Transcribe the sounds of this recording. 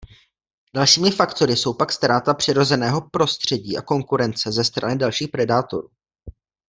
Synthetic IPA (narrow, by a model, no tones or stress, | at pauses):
d̥alʃiːmɪfakt̪o̞ɾɪso̞wpakst̪ɾaːt̪apr̝̥ɪɾo̞zɛnɛːɦo̞pɾo̞st̪r̝̥ɛɟiːʔa̰ko̞ŋkuɾɛnt͡sɛzɛst̪ɾa̰nɪdalʃiːxpɾɛdaːt̪o̞̰ɾuː